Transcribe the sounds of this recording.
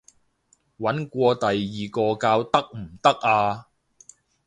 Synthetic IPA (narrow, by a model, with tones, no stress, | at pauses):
wɐ˨˥nkʷɔː˧t̪ɐ˨jːiː˨kɔː˧kaː˧wt̪ɐ˥k̚m̩˨˩t̪ɐ˥k̚ʔaː˧